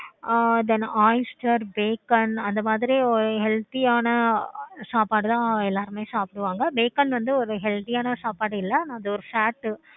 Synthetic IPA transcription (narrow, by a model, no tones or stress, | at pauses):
d̪ɛnaːɪsʈɐɾbeːkɐnɐnd̪ɐmaːðɪɾiɔɾɯɦɛlt̪ijaːnɐsaːpaːɽɯt̪ãːɛlːaːɾɯmeːsaːpɪɽɯʋaːŋɡɐbeːkɐnʋɐnd̪ɯɔɾɯɦɛlt̪ijaːnɐsaːpaːɽɯɪlːɐnãːɐðɯɔɾɯfaːʈː